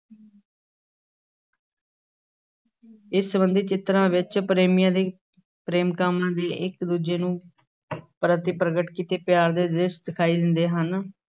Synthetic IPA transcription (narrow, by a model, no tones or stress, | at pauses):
ɪsːəbənd̪iːt͡ʃɪt̪ɾãːʋɪt͡ʃpɾeːmijãːd̪eː | pɾeːmkaːmɳãːd̪eːʔɪkd̪uːd͡ʒeːnũː | pɾət̪ipɾəɡəʈkiːt̪eːpjaːɾd̪eːd̪ɪsd̪ɪkʰaːiːd̪ɪnd̪eːɦən